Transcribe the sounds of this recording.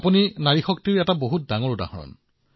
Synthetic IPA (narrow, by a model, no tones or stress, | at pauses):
puninaɹixɔk̚tiɹɛtaboɦut̚daŋɔɹuda̰hɔɹɔ̰n